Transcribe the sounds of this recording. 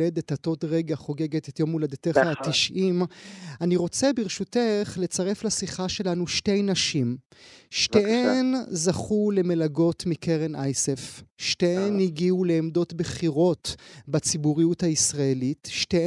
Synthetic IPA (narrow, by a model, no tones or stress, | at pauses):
edethato̞tʁeɡaχo̞ɡe̞ɡetetjo̞mːulad̪eteatiʃʔimaniʁo̞t͡se̞biʁʃuteχle̞t͡saʁe̞flasiχaʃe̞lanuʃte̞jnaʃim | ʃteenzaχule̞me̞laɡo̞tmikeʁenʔajsefʃteeniɡiule̞ːmdo̞tbeχiʁo̞tbat͡sibuʁijuthaisʁae̞litʃte